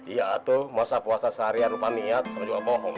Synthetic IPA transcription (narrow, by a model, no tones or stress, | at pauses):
ijaːt̪umasapuasasaɾiaɾupaniat̪̚ad͡ʒuabɔɦɔŋ